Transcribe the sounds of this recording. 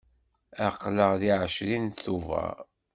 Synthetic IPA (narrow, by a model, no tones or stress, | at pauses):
æqːləʁðiʕəʃlinθuvə̰ɾ